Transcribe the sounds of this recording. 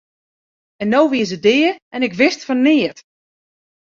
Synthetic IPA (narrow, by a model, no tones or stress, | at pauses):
ɛnːowʋiəsədɪːəɛnɪkʋɪstfɔnɪːət